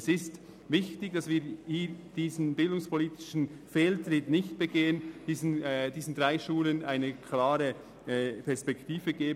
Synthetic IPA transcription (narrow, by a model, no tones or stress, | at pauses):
sɪst | vɪçtɪɡd̥ɑsviːhiːd̥iːzn̩bɪldʊŋspʰoliːtɪ̥ʃn̩fɛːltrɪtnɪçt̚b̥əɡeːənd̥iːzn̩diːzn̩dʁaɪʃuːlənaɪnəkʰlaːɾə | pʰɛɐspɛktiːvəɡeːb